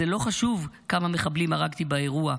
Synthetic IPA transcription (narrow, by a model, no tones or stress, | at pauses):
elo̞χaʃuvkamameχablimaʁaɡt̪ibae̞ʁua